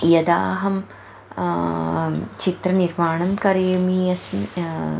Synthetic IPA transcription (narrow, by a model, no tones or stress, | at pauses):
jɐd̪a̰ːɦɐm | t͡ʃit̪ɾɐniɾmaːɳɐmkɐɾijmiɐsn